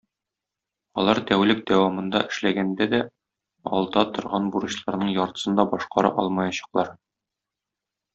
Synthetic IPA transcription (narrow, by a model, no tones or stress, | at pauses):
ɒ̰lˠɑɾt̪æwlɘk̚d̪æwɑmɤ̆nd̪ɑ̰ɘ̆ʃlæɡænd̪æd̪æ | ɒ̰lˠd̪ɑt̪ŏɾʁɑnbuɾɤ̆ɕlˠɑɾnɤɴjɒɾt̪ɤ̥̆sɤnd̪ɑbɒʃqɑɾɑ̰ʔɒ̰lˠmɑjɑɕɑ̥qlˠɑɾ